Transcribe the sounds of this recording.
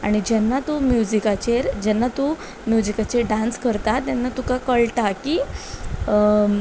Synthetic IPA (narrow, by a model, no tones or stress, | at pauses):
a̰ɽ̃id͡ʑɛnːat̪umjud͡ʑikat͡ɕeɾd͡ʑɛnːat̪u | mjud͡ʑikat͡ɕeɖãnskəɾt̪at̪ːanːat̪ukãkəɭt̪akiː